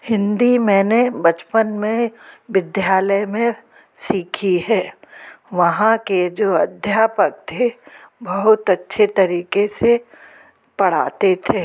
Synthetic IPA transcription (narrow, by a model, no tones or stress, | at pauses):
hɪ̃nd̪imɛ̃ːnebɐt͡ʃpənmẽʋɪd̪jaːləjmẽ | siːkʰiɦɛːʋɐɦãked͡ʒoːɐd̪ʱjaːpək̚t̪ʰebɐɦʊt̪ɐtːʃʰet̪ɐɾiːkese | pɐɽ̤a̰ːt̪et̪ʰeː